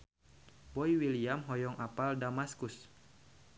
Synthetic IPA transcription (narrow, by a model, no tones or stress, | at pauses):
bɔiwiliamɦɔjɔŋʔapaldamaskus